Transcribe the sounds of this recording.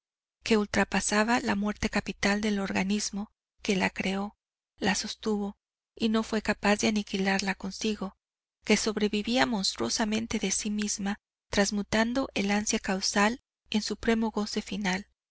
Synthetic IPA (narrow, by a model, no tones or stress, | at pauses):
ke̞ult̪ɾapasaβalamwe̞ɾt̪e̞kapit̪ald̪e̞lo̞ɾɣanizmo̞ | ke̞lakɾe̞o̞ | laso̞st̪uβo̞ | ino̞fwe̞kapazðeanikilaɾlako̞nsiɣo̞ | ke̞so̞βɾe̞βiβiamõ̞nst̪ɾwo̞samẽ̞nt̪e̞ðe̞simizma | t̪ɾazmut̪and̪o̞ʔe̞lansjakawsal | e̞nsupɾe̞mo̞ɣo̞se̞final